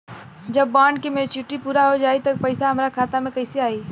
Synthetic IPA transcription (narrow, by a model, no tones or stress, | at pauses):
d͡ʒəbːãːɳɖkemẽt͡ʃɪʈːipuːɾaɦod͡ʒaːit̪ɐpəɪsaɦəmɾakʰaːt̪amẽkɐɪseaːiː